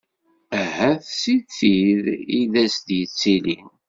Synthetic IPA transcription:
æɦæθsiðθiðiðæsd̪jət͡sːilin

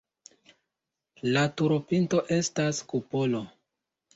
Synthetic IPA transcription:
latuɾopinto̞ʔe̞staskupolo̞

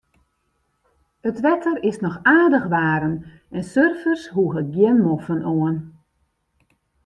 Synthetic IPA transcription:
ətʋɛtʰərɪsnɔxaːdəxʋaːɾən | ɛnsørfərsɦuəɣəɡjɪnmofənoən

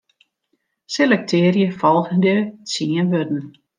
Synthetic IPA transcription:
selɛk̚tʰɪːrjəfɔlˠtəndət͡siənʋødn̩

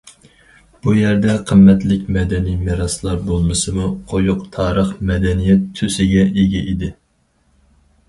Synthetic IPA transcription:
b̥ujæɾd̪ɛqʰəmːɛt̪lɪkʲmɛd̪ɛnijmɪɾɑslˠɑɾbolˠmɨsɨmuqʰojʊqt̪ʰɑːɾəχmɛd̪ɛnijɛt̪ʰːøsɪɡʲɛeɡʲɛʔid̪ɪ

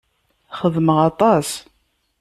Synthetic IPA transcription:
χəðməʁɑt̪ˤɑs

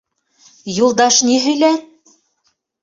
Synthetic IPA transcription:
julˠd̪ɑʃniɦɵ̆jlæt̪̚

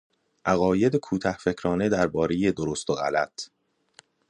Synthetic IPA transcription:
ʔæɣɒːje̞d̪ekʰuːt̪ʰæhfe̞cʰɾɒːne̞d̪æɾbɒːɾejed̪oɾost̪oɣæ̰læ̰t̪ʰ

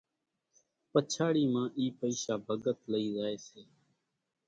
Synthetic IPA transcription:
pət͡ʃʰaːɽiːmãːʔiːpəiːʃaːbʱəɡət̪ləiːzaːeːseː

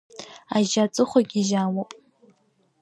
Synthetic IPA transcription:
aʒat͡sʼɨχʷɔɡʲiʒaːwopʼ

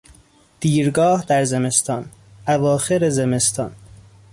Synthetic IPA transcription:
d̪̥iːɾɡɒːhd̪æɾzeme̞st̪ɒːn | ʔævɒːxe̞ɾezeme̞st̪ʰɒ̰ːn

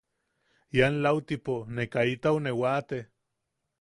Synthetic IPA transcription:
janlawt̪iponekait̪aonewat̪e

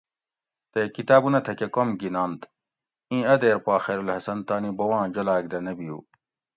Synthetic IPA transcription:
t̪ekit̪aːbunɐt̪ʰɐkekomɡinaːnt̪ | ĩːɐd̪eːɾpaːxeːɾulhɐsɐnt̪aːnibɐwãːd͡ʑolaːɡ̚d̪ɐnɐbijṵː

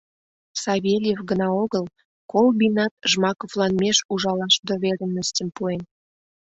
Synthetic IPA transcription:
sɑβelʲjefɡənɑoɣəl | kolbinɑt̪̚ʒmɑkovlɑnmeʃuʒɑlɑʃd̪oβeɾənːəst̪ʲəmpuen

